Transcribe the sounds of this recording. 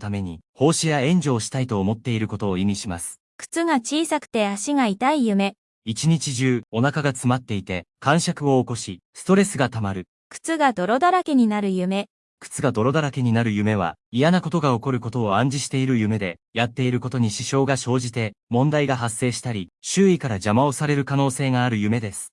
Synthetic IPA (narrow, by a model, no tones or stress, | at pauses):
t̪ame̞ɲ̟iho̞ːɕijaẽ̞ɲ̟d͡ʑo̞ːɕi̥t̪ait̪o̞ːmo̞t̪ːe̞iɾɯ̟ko̞t̪o̞ːimʲiɕimasɨ̥ | kɯ̥t͡sɨɡat͡ɕiːsakɯ̟̥t̪e̞aɕiɡait̪aijɯ̟me̞ | it͡ɕiɲ̟it͡ɕiʑɨːo̞nakaɡat͡sɨmat̪ːe̞it̪e̞kãɰ̃ɕakɯ̟o̞ːko̞ɕisɨ̥t̪o̞ɾe̞sɨɡat̪amaɾɯ̟ | kɯ̥t͡sɨɡad̪o̞ɾo̞d̪aɾake̞ɲ̟inaɾɯ̟jɯ̟me̞ | kɯ̟̥t͡sɨɡad̪o̞ɾo̞d̪aɾake̞ɲ̟inaɾɯ̟jɯ̟me̞β̞a̰ijanako̞t̪o̞ɡao̞ko̞ɾɯ̟ko̞t̪o̞ːãɲ̟d͡ʑiɕi̥t̪e̞iɾɯ̟jɯ̟me̞d̪e̞ | jat̪ːe̞iɾɯ̟ko̞t̪o̞ɲ̟iɕiɕo̞ːɡaɕo̞ːʑit̪e̞mõ̞nd̪aiɡaɦasːe̞ːɕi̥t̪aɾʲiɕɨːikaɾad͡ʑamao̞saɾe̞ɾɯ̟kano̞ːse̞ːɡaːɾɯ̟jɯ̟me̞d̪e̞sɨ̥